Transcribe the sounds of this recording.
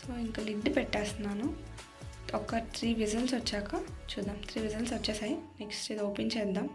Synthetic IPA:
soːiŋkɐliɖːpɛʈːaːsunːaːnu | ɔkːɐt̪ʰɾiːʋid͡ʒɐlsʋɐt͡ʃːaːkɐt͡ʃuːd̪ːaːmt̪ʰɾiːʋid͡ʒɐlsʋɐt͡ʃːaːsajineksʈɾiːd̪oːpent͡ʃɛːd̪ːaːm

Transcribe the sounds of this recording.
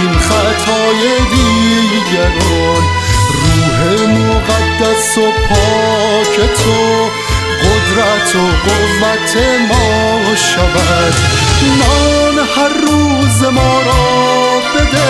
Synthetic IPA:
inχæt̪ʰɒːjed̪iː | ɡæɾɔ | n | riːɦemoɡæd̪ːæsopʰɔː | kʰet̪ʰo | ɡod̪ɾæt̪ʰoɡovæt̪ʰemɔː | ʃævæ | d̪ | nɔːnhæɾːuːzemɒːɾɔ | bed̪e

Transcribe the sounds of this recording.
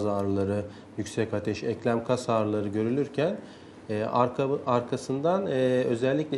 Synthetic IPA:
zaːɾɯlˠaɾɯ | jycsɛcat̪ʰɛʃɛclʲæmkʰasaːɾɯlˠaɾɯɟø̞ɾylʲyɾcʰæn | ɛːaɾkʰasɯnd̪anːø̞zɛlʲːiclʲɛ

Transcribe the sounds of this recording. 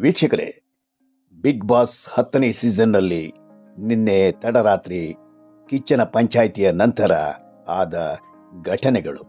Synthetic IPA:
ʋiːkʂɐkɐɾḛ | biɡbaːshɐt̪ːɐnesiːd͡ʒɐnːɐlːi | ninːet̪ɐɽɐɾaːt̪ɾi | kit͡ʃːɐnɐpɐɲt͡ʃaːjt̪ijɐnɐnt̪ɐɾɐ̰ | aːd̪ɐ | ɡʱɐʈʰɐnɛɡɐɭṵ

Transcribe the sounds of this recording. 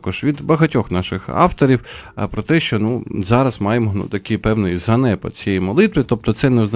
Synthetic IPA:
kɔʒʋʲid̪bɐɦɐtʲɔxnɑʃɪxɑ̰wt̪ɔɾʲiwpɾɔt̪ɛʃt͡ʃɔnuzɑɾɐzmɑjemnṵt̪ɐkɪjpɛwnɪjzɐnɛpɐ̰t͡sʲijɛjmɔlˠɪt̪ʋɪt̪ɔp̚t̪ɔt̪sɛnɛznɐ

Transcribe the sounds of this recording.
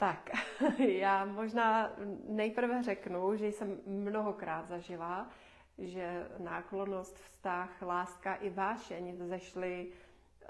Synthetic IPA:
t̪akjaːmoʒnaːnɛjpr̩vɛrɛknuʒɛjsɛmːnoɦokɾaːt̪zaʒɪla | ʒɛnaːklo̞nost̪fst̪axlaːskaʔɪvaːʃɛɲɪzɛʃlɪ

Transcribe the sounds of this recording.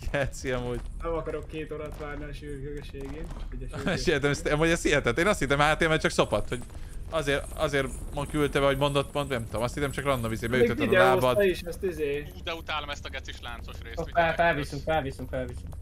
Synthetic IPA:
kɛt̪siɒmuːɟnɛmɒkɒɾokːeːt̪oɾɒt̪ʋaːrniɒʃyːɾkøɡeʃeːɡeːnɛɛʃɛʃet̪ɛmɛst̪muːɟɛst̪iɛt̪ɛt̪ːeːnɒst̪hit̪ːɛmhaat̪eːlmɛːt͡ʃɒkso̞pɒt̪ho̞ɟ | ɒzeːɾɒzeːrmɒkylt̪ɛbɛɦo̞ɟmo̞nd̪ot̪ːmonnɛmt̪omɒst̪hit̪ɛmt͡ʃɒkrɒnd̪ovizeːbɛjyt̪ːɛɛlaːbɒd̪ɛiʃɛst̪izeːuːd̪ɛut̪aːlomɛst̪ɒɡɛt̪siʃlaːnso̞ʃreːsoɛfɛlvisymfɛlvisymfɛlvisym

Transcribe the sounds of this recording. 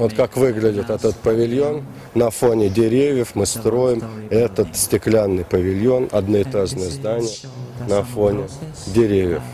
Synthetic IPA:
vot̪kakvɨɡlʲɪdʲɪt̪ɛt̪ət̪pəvʲɪlʲjo̞nː | ɐfonʲɪdʲɪɾʲevʲjəfmɨst̪ɾo̞jɪmɛt̪ət̪sʲtʲɪklʲanːɨjpəvʲɪlʲjo̞nɐd̪nəɪt̪aʐnəjəzd̪anʲɪjə | nɐfonʲɪ | dʲɪɾʲevʲjə̰f

